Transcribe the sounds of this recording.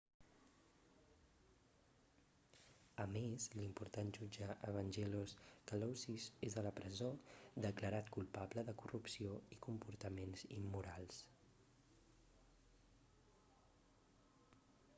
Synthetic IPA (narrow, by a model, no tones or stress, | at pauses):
əmezlimpuɾt̪anʒud͡ʒəʔəβənʲʒɛloskəlɔwsizezðələpɾəzod̪əkləɾat̪kulˠpabləðəkurupsioikumpuɾt̪əmenzḭmːuɾalˠs